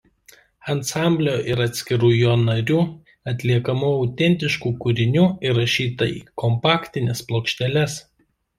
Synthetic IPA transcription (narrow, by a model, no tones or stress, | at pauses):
ɐnsɑˑmʲbʲlʲoːʔɪɾɐt̪ʲsʲkʲɪɾuːjoːnɐɾʲuː | ɐt̪ʲlʲiɛkɐmuːɐʊt̪ʲɛnʲt̪ʲɪʃkuːkʊɾʲɪnʲuːɪɾɐʃʲiːt̪ɐḭːkɔmpɑːkʲt̪ʲɪnʲɛsplˠoːkʃʲt̪ʲɛlʲɛs